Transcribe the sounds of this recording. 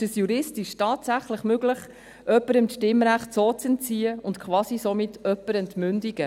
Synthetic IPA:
ɪʃəsjuɾɪstɪʃtɑːtsæχləχmøɡləχ | ʔœpːəɾəmʃtɪmɾæχtsoːt͡sɛnt͡siːəʊntkʰχʋɑːsisɔmɪtʰœpːəɾɛntmʏndiɡ̥ə

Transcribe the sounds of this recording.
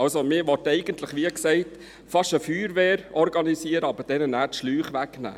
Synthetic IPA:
ɑlsomɪːɾʋɔtɛɪɡənt̪ləχʋiːəksɛɪt | fɑʃəfyːɾʋeːɾɔɾɡɑnisiəɾəɑbəd̥ɛnənæːɾtʃlyːχʋæknæ̰ː

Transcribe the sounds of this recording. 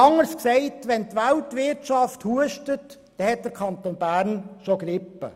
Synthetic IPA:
ɑŋːəsksɛɪtʋɛntʋæltʋɪɾtt͡ʃɑfthuəʃtət | d̥ɛhɛt̚d̥əɾkʰɑnt̪oːnbæːɾnʃoɡɾɪpːə̰

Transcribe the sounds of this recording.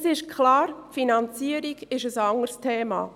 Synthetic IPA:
sɪʃkʰlɑːɾfinɑnt͡siːəɾiɡɪʃəsɑŋərstʰeːmɑ̰ː

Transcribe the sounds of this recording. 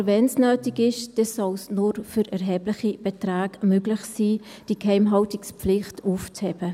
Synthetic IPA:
vɛnsnøːtɪɡɪʃd̥ɛsɔlsnʊɾfyɾʔɛɾɦɛːblɪχib̥etraːɡmøɡlɪχsiː | d̥ikhɛɪmɦɑltɪkspp͡flɪχtuːft͡shɛb̥ə

